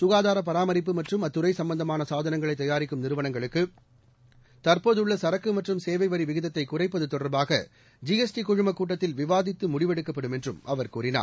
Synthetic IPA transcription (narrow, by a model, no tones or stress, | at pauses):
sʊɣaːðaːɾɐpːɐɾaːmɐɾɪp̬ːɯmɐʈrɯmɐt̪ːɯrɐɪsɐmbɐnd̪ɐmaːnɐsaːðɐnɐŋɡɐɭɐɪt̪ːɐjaːɾɪkːɯmnɪɾɯʋɐnɐŋɡɐɭɯkːɯ | t̪ɐɾpoːðɯɭːɐsɐɾɐkːɯmɐʈrɯmseːʋɐɪʋɐɾiʋɪɣɪðɐt̪ːɐɪkːʊrɐɪpːɐðɯt̪ːɔɽɐɾbaːɣɐ̰ | d͡ʒiɛsʈikʊɻɯmɐkːuːʈ̬ːɐt̪ːɪlʋɪʋaːðɪt̪ːɯmʊɽɪʋɛɽɯkːɐpːɐɽɯmɛndrɯmʔɐʋɐɾkuːɾɪna̰ːɾ